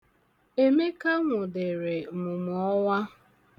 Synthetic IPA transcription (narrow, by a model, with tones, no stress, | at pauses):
e˨me˦ka˦ŋʷʊ˨dɪ˨ɾe˨mʊ˨m˨ɔ˦wa˦